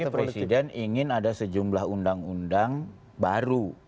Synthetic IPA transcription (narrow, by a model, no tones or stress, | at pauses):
pɾesidɛniŋɪnadasəd͡ʒumblaɦundaŋundaŋ | baɾu